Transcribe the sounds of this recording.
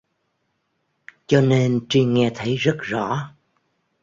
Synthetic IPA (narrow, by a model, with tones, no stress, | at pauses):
t͡ɕɔ˧ne˧nt͡ɕi˧ŋɛ˧t̪ʰə˨˦jzə˦˥t̚zɔ̰˧˥